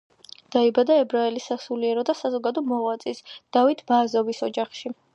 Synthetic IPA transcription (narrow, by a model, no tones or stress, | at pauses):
d̪̥aibad̪aɛbɾaɛlisasuliɛɾɔd̪asazɔɡad̪ɔmɔʁwat̪sʼisd̪̥avit̪ʰmaːzɔvisɔd͡ʒaχʃi